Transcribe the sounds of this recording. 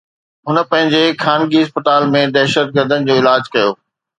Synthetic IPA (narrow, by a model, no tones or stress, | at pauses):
ɦʊnə̆pɐ̃ɦɪ̃ɲd͡ʑexaːnɡiɦɐspət̪aːlmẽd̪ɛːʃət̪̚ɡəɾd̪ʱənɪ̆d͡ʑoːɪlaːd͡ʑkɐjoː